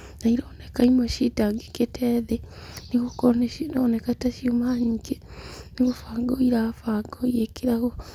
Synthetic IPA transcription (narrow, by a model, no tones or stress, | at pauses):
naiɾoːnekaimoʃitaŋɡeketʰeðenikokoneinonekataʃiumaɲikeniɣofaːɡoiɾafaɡojekiɾaho